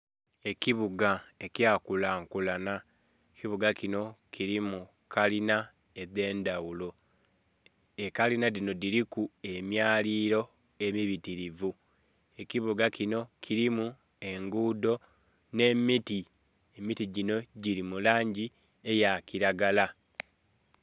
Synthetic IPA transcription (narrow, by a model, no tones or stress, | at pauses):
e̞kiβuɡae̞cjaːkulaːŋkulana | ekiβuɡakino̞kʰiɾimu | kalina | eðe̞ːndawulo | ekalinadino̞diɾikue̞mjaːliːɾo̞ | e̞miβitiɾivu | e̞kiβuɡacino̞cʰiɾimu | e̞ŋɡuːdo̞ | ne̞miti | emitiɟino̞ɟiɾimulaːɲɟi | e̞jakiɾaɡala